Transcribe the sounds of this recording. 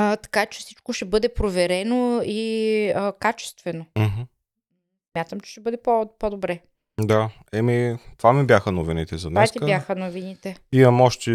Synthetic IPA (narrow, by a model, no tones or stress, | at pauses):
ət̪ɐ̥kat͡ʃɛ̥fsit͡ʃkoʃɛbɤd̪ɛpɾovɛɾɛnoiəkat͡ʃɛ̥st̪vɛnom̩ɦ̩ | smʲjat̪əmt͡ʃɛ̥ʃɛbɤd̪ɛpopod̪obɾɛ | d̪a | ɛmit̪vamibʲjaxənovinit̪ɛzɐnɛst̪ikəbjaxənovinit̪ɛimɐmɔʃt̪ɛ